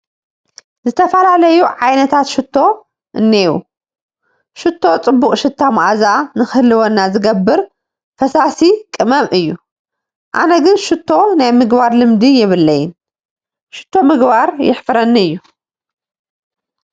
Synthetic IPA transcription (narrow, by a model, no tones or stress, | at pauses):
zɨt̪ʰɐfɐlalɐjuʕajnɐt̪ʰat̪ʃɪt̪ʰːo̞ | ʔɨnːewṵ | ʃɨt̪ʰːo̞t͡sʼɨbːuχʼʃɨt̪ʰːamʔazanɨxɨhlɨwonːazɨɡɐbːɨɾ | fɐsasikʼɨmɐmʔɨjːu | ʔa̰nɐɡɨnʃɨt̪ʰːo̞najmɨɡbaɾlɨmd̪ijɪβɨlːɐjɪn | ʃɨ̥t̪ʰːo̞mɨɡbaɾjɪ̰ħfɨɾɐnːiɨjːu